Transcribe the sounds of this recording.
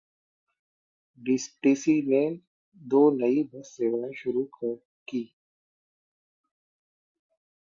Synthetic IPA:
ɖɪsʈeːsine | d̪oːnɐibɐsːeʋaːẽʃʊɾukʰ | kiː

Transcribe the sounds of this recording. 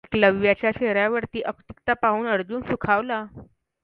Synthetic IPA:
kləʋjat͡ɕjaɕeɾjaʋəɾt̪iːʔəkt̪ikt̪apaɦuːnəɾd͡zuːnsukʰaʋla

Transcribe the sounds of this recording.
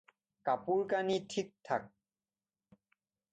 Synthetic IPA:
kapuɹkanitʰik̚tʰak̚

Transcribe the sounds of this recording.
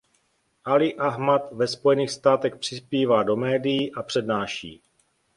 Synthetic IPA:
ʔalɪʔaɦmat̪vɛspo̞jɛniːxst̪aːt̪ɛxpr̝̥ɪspiːvaːdo̞mɛːdijiʔapr̝̥ɛdnaːʃḭː

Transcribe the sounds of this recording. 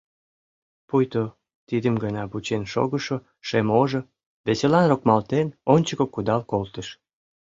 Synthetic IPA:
pujt̪o | t̪id̪əmɡənɑbut͡ɕenʃo̰ɣəʃo | ʃemoʒo | βeselɑnrokmɑlt̪enonʲt͡ɕəkokud̪ɑlkolt̪əʃ

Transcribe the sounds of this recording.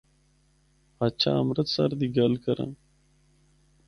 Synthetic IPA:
aːt͡ɕʰa̰ːəmɾət̪saɾd̪iːɡəlkəɾã̰ː

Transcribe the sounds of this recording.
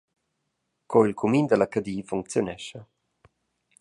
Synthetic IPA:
kʰɔilkʰumind̪əlakad̪iːfuŋk̚t͡sjonɛʃa

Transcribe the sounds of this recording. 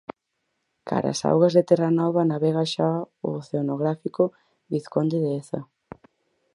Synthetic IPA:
kʰa̰ɾa̰sa̰wɣɐzðet̪ɛranɔβ̞ɐnaβɛɣaʃa | o̰ːθeonoɣɾafiko | βiθkond̪eðeeθɐ

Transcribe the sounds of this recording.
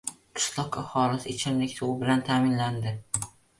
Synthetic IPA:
qʰɪ̥slˠɒqahɒlɪsɪt͡ʃʰɪnlɪkʲt̪ʰubɪlant̪ʰaːmɪnland̪ɪ

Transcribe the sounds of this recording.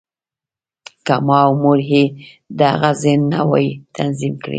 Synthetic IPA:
kamɑwmʊɾɦe | d̪əaɣazɪnːawɑ̰jit̪ʰanzimkɽḭ

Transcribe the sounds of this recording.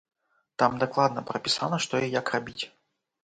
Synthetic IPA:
t̪amd̪aklˠad̪nɐpɾɐpʲisanɐʂt̪ɔjijakrabʲit͡sʲ

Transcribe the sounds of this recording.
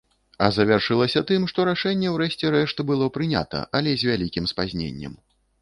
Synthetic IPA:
ɐzɐvʲarʂɨlˠɐsʲɐt̪ɨmʂt̪ɔɾaʂɛnʲːɛwɾɛʂt͡sʲɛɾɛʂt̪ɨbɨlˠɔpɾɨnʲa̰t̪ɐ̰ʔɐlʲɛzʲvʲalʲikʲimspazʲnʲḛnʲːɛ̰m

